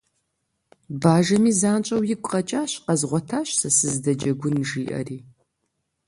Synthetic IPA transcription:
baːʒɐmiːzaːnt͡ʃʼɐwjɪkʷʼqɐt͡ʃʼaːɕqɐzʁʷɔtʰaːɕsɐsɨzdɐd͡ʒɐɡʷʊnʒiːʔɐ̰riː

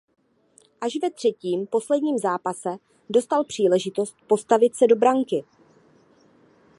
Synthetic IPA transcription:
ʔaʃvɛt̪r̝̥ɛciːmpo̞slɛdɲiːmzaːpasɛ | do̞st̪alpr̝̥iːlɛʒɪt̪o̞st̪̚po̞st̪avɪt̪sɛdo̞bɾaŋkɪ

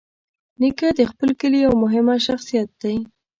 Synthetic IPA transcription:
nikad̪əxpəlkəlijawmʊɦɪmaʃaxsijat̪̚d̪̥aj

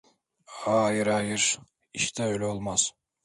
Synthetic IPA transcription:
aːjiɾɑːjɯɾ | iʃt̪ʰɛøjlʲɛolˠmaz̥

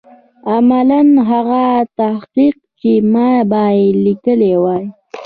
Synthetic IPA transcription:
amalanɦaɣat̪ahqiq̚ | kemabajelikəlewaj

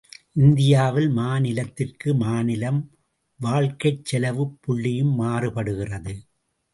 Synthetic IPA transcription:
ʔɪnd̪ɪjaːʋɪlmaːnɪlɐt̪ːɪrkɯmaːnɪlɐm | ʋaːɭkɐɪt͡ʃːɛlɐʋɯpːʊɭːɪjɯmːaːrɯpɐɽɯɣɪrɐðɯ

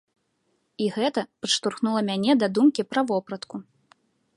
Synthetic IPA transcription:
iɣɛt̪ɐpaʂt̪urxnulˠɐmʲanʲɛd̪ad̪umkʲipɾɐvɔpɾɐt̪ku

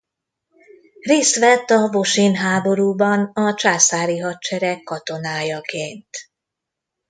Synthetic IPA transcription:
reːst̪ʋɛt̪ːɒvo̞ʃinɦaːbo̞ɾuːbɒnɒt͡ʃaːsaːɾiɦɒtt͡ʃɛɾɛkːɒt̪o̞naːjɒkeːnt̪

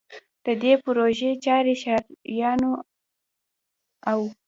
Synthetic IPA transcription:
d̪̥əd̪epʊɾoʒet͡ʃɑɾeʃɑɾjɑno | aw

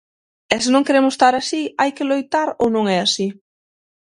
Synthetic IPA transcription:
ɛsɪnõŋkeɾemʊst̪aɾasiajkɪlojt̪aɾownõŋɛasi

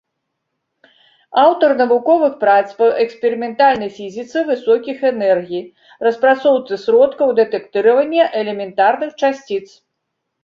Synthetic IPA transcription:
awt̪ɐrnɐvukɔvɨxpɾat̪spɐʔɛkspʲɛɾɨmʲɛnt̪alʲnɐjfʲizʲit̪sɨvɨsɔkʲixɛnɛrɣʲij | rɐspɾat̪sɔwt̪sɨsɾɔt̪kɐwd̪ɛt̪ɛkt̪ɨɾɐvɐnʲːɛʔɛlʲɛmʲɛnt̪arnɨxt͡ʂasʲt͡sʲit̪s

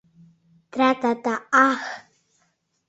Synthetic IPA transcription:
t̪ɾat̪at̪aax

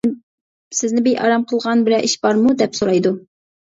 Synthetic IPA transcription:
sɪznɪbejɑ̰ɾɑmqʰəlˠʁɑnbɪlɛʔiʃbɑɾmud̪ɛpsoɾɑjd̪u

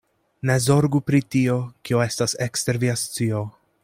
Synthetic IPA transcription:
ne̞zo̞ɾɡupɾitio̞kio̞e̞stase̞kste̞ɾviast͡sio̞

